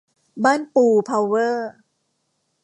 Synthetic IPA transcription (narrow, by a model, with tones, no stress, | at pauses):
baː˥˩˨npuː˨˩pʰa˧wːɤː˥˩